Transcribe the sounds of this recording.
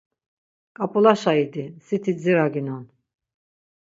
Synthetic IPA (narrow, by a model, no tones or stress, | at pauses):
kʼapʼulaʃaid̪isit̪ʰid͡ziɾaɡinɔn